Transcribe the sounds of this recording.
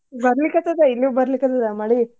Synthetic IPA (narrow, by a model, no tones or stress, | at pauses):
bɐɾɐlikːɐt̪ːɐd̪ɐilːibɐɾlikːɐt̪ɐd̪ɐmɐɽi